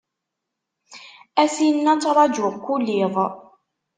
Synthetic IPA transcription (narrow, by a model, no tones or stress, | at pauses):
æsinːæt͡sːɾˤɑd͡ʒʊkʷːulːiðˤ